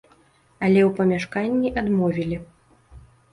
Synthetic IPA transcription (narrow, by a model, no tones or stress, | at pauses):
ɐlʲɛwpɐmʲaʂkanʲːiʔad̪mɔvʲilʲi